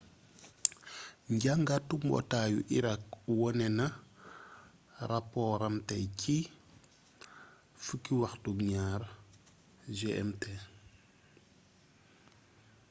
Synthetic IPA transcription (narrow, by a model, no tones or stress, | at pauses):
ɲɟaŋɡatumbɔ̰taːjṵʔiɾak̚wɔnɛnɐ | ɾapɔɾɐmtɛci | fəkːiwaxtukɲaːɾ | ʒeʔɛ̰mte